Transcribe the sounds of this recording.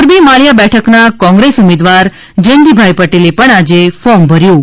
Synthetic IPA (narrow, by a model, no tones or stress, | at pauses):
ɾbimaɭjabɛʈʰəknakɔ̃ŋɡɾesumed̪ʋaɾ | d͡ʒənd̪ibʱajpəʈelepəɳad͡ʒefɔmbʱəɾjũ